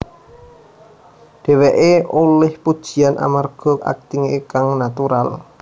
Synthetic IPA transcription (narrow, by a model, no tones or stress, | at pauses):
ɖ̥ɛ̤weʔeolɛhpud̥ʒ̥i̤anʔa̰marɡ̥ɔ̤a̰k̚t̪iŋekaŋnat̪uɾa̰l